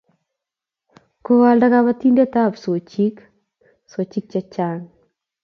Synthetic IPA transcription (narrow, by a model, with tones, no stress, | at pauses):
ko˦wa˨lda˦ka˦βa˦ti˦nde˦ta˦˨pso˨t͡ʃi˦k | so˨t͡ʃi˦k̚t͡ʃa˦t͡ʃa˦ŋ